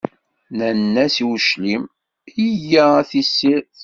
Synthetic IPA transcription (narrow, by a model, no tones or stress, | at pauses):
nænːæsiwʃlim | ijææθisːiɾθ